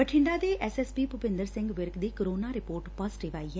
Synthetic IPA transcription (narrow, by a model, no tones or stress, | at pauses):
əʈʰɪɳɖaːd̪eːʔɛːsɛspiːpʊpɪ̃nd̪əɾsɪ̃ŋɡʋɪɾkd̪iːkəɾoːnaːɾɪpoːɾʈpasʈiːʋaːiːɦɛː